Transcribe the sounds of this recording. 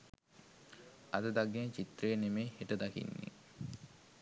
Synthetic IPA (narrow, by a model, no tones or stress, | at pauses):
ad̪əd̪aɡet͡ɕit̪ɾəjenemeːheʈəd̪akḭnːḛ